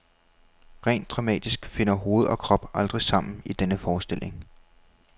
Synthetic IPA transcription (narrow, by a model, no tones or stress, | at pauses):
ʁɛ̰ːnd̥ʁɑ̈mɛ̰ːd̥isɡ̥fe̝nɐɦo̝ːð̞̩ˠɒ̽kʰʁɒ̽b̥ɑ̈ld̥ʁisɑ̈m̰n̩id̥enəfɒːsd̥e̝l̰ʔe̝ŋ